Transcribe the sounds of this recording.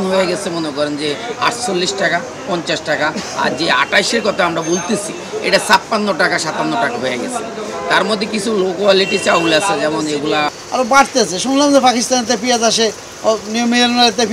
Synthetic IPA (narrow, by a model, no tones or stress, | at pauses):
nɦojeɡɛt͡ɕʰemonekɔɾend͡ʑea̰ʈt͡ɕolːiʃʈaka | pɔnt͡ɕaʃʈakaa̰ɾd͡ʑea̰ʈajʃeɾkɔt̪ʰaamɾabolt̪et͡ɕʰi | ḛʈasappːanːoʈakaʃat̪anːoʈakaɦojeɡɛ̰t͡ɕʰḛ | t̪aɾmɔd̪ʱːekit͡ɕʰulokwaliʈit͡ɕaulasʰed͡ʑɛmoneɡula | a̰ɾobaɽt̪easʰeʃunlamd͡ʑepakist̪anet̪epiazaʃe | niomiaɾnalet̪ep